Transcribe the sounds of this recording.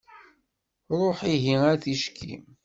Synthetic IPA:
ɾˤoħiɦiæθiʃkʰḭm

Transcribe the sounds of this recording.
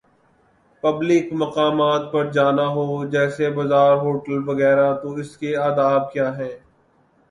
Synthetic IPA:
pɐblɪkmɐqaːmaːt̪̚pɐɾd͡ʒaːnaɦoːd͡ʒɛːsebɐzaːɾɦoːʈəlʋɐɣɛːɾat̪oɪskeaːd̪aːb̚kjaːɦɛ̃ː

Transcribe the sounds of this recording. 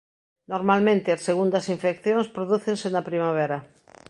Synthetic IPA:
noɾmalmẽnt̪ɪɐsːeɣund̪ɐsiɱfekθjõŋspɾoðuθensenɐpɾimaβ̞ɛɾɐ

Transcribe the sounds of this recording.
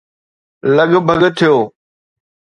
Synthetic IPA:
ləɠbʱəɡt̪ʰɪjoː

